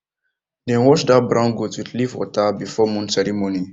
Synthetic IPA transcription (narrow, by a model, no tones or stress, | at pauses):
dɛ̃nwɔt͡ʃdabɾãnɡutwidlivwɔ̰tabifɔmũnsɛɾimoni